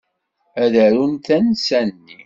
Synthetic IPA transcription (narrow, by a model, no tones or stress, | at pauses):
æðæɾunt̪ænsænnːi